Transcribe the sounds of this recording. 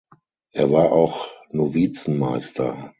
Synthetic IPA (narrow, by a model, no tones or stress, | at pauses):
ʔeːɐvaːɐʔaʊxnoviːt͡sn̩maɪstʰɐ̰